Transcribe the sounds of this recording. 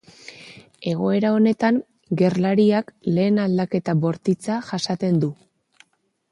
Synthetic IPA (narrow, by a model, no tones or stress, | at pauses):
e̞ɣ̞o̞e̞ɾao̞ne̞t̪aŋ | ɡe̞rlaɾiakle̞ːnald̪ake̞t̪aβo̞ɾt̪it͡saʝasat̪e̞nd̪u